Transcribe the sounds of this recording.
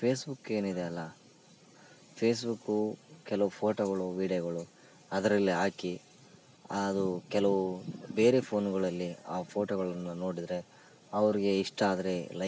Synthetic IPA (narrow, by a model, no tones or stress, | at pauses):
pʰe̞ːsbukːe̞ːnid̪eɐlːɐ | pʰeːs̬bukːukɛlɐʋupʰo̞ːʈoːɡɐɭuʋiːɽijɐɡɐɭu | ɐd̪ɐɾɐlːiɦaːki | ɐd̪ukɛlɐʋubeːɾepʰo̞ːnɡɐɭɐlːiaːpʰoːʈoːɡɐɭɐnːuno̞ːɽid̪ɐɾe̞ | ɐʋɐɾiɡe̞iʂʈaːd̪ɐɾe̞lɐ